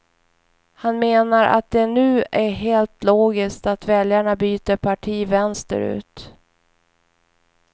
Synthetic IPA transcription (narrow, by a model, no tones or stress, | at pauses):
hanmeːnaɾʔa̰t̪̚d̪ɛnʉ̟ːʔæɦeːlt̪loːɡɪskt̪at̪vɛljaɳabyːt̪əɾpʰaʈʰiːvɛnst̪ə̰ɾʉ̟̰ːt̪